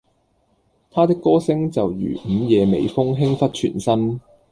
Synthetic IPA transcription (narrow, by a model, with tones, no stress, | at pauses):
t̪ʰaː˥t̪ɪ˥kːɔː˥sɪ˥ŋt͡sɐ˨wjy̰ː˨˩m̩˨˧jɛː˨˧mḛ˨˧jfʊ˥ŋɦɪ˥ŋfɐ˥t̚t͡ʃʰy̰ː˨˩nsɐ˥n